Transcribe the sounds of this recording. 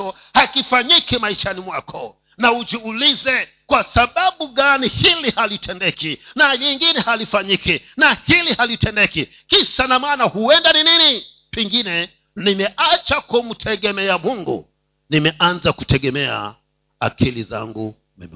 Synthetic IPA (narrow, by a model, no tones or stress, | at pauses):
ɔ | hakifaɲikimaiʃanimwakʰɔ | naud͡ʒuulizɛ | kwasaɓaɓuɡanihilihalitʰɛndɛkinaɲiŋɡinɛhalifaɲikinahilihalitɛndɛkikisanamaːnahuɛndaninini | piŋɡinɛ | nimɛʔat͡ʃakum̩tʰɛɡɛmɛamuŋɡṵ | nimɛʔanzakutɛɡɛmɛa̰ | a̰kʰilḭza̰ŋɡṵ | mɛ̰m